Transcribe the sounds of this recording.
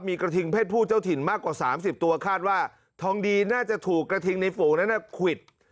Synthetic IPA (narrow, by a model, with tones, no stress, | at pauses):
miː˧kɾa˧t̪ʰi˧ŋpʰeː˥˩t̪̚pʰuː˥˩t͡ɕa˥˩wt̪ʰi˨˩˦nmaː˥˩kwaː˨˩saː˩˦msi˨˩p̚t̪u˧ɐkʰaː˥˩t̪̚waː˥˩ | t̪ʰɔː˧ŋdiː˧naː˥˩t͡ɕa˨˩t̪ʰuː˨˩kːɾa˧t̪ʰi˧ŋna˧jfoː˨˦na˦˥na˧˥˩kʰwi˨˩t̪̚